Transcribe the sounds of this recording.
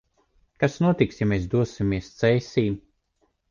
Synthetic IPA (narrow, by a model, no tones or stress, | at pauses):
kasnuɔt̪iksjamɛːs̬d̪uɔsimiɛst̪sɛjsʲiːm